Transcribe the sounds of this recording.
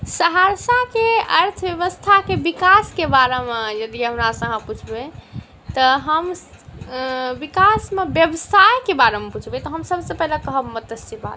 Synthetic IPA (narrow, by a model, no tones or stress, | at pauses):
səɦaɾsakeəɾt̪ʰbjeβəst̪ʰakebikaskebaɾemejəd̪ieɦunasə̃ɦə̃put͡ʃʰbe | t̪ɔɦəm | bikasmebjəbəsajkebaɾemeput͡ʃʰbet̪ɔɦəmsəbsə̃pəɦlekəɦəbmət̪əsiba̰t̪